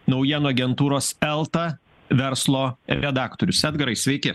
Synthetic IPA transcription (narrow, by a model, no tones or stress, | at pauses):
nɔʊjiɛnoɐɡʲɛnt̪uːɾoːsɛlˠt̪ɐ | ʋʲɛɾslˠoːɾɛd̪ɑːkt̪oːɾʲʊsæːd̪ɡɐɾɐɪsʲʋʲɛɪkʲɪ